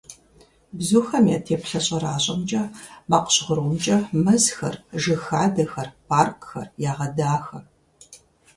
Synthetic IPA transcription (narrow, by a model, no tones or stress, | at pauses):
bzuːxɐmjaːtʰeːpɬɐɕʼɐɾaːɕʼɐmt͡ʃʼɐbaːqə̥ɕʁʊɾwmt͡ʃʼɐmɐzxɐrʒɨxaːdɐxɐrpʰaːrkʼxɐ̰rjaːʁɐdaːxɐ